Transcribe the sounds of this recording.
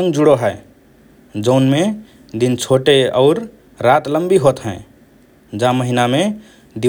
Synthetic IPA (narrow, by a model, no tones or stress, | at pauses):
ə̃ŋɡd͡ʒuɽoɦɛe | d͡ʒɔʊnme | d̪int͡ʃʰoʈeɔʊɾː | at̪ləmbiɦot̪ɦɛ̃ | d͡ʒãməɦiname | d̪i